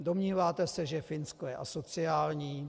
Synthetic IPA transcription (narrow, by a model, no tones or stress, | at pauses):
do̞mɲiːvaːt̪ɛsɛʒɛfɪnskojɛʔaso̞t͡sɪaːlɲiː